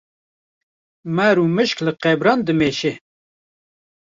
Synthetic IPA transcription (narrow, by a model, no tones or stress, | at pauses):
mæɾuːmɨʃklɨqɛbɾɑːnd̪ɨmeːʃe